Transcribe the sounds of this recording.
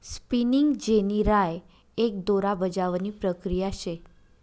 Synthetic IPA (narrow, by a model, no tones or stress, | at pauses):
spiniŋɡd͡ʑeniɾaj | ek̚d̪oɾabəd͡ʑaʋniːpɾəkɾijaɕe